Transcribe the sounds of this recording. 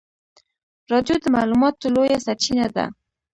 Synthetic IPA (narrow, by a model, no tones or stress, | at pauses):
ɾɑd̪jod̪əmalumɑt̪ːəlojasat͡ʃinad̪a̰